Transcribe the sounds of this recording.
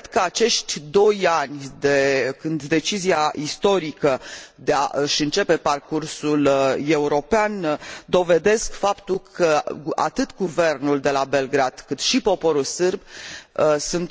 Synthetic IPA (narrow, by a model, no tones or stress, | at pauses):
d̪kəat͡ʃe̞ʃt̪ʲd̪o̞janʲd̪ekɨnd̪ːe̞t͡ʃiziaʔist̪o̞ɾikəd̪ea̰ʔɨʃɨnt͡ʃe̞pe̞parkursule̞uɾo̞peand̪o̞ve̞d̪e̞skfapt̪ulkʰəa̰t̪ɨt̪ɡuve̞rnuld̪e̞labe̞lɡɾad̪̥kɨt̪ʃipo̞po̞ɾulsɨrb | sunt̪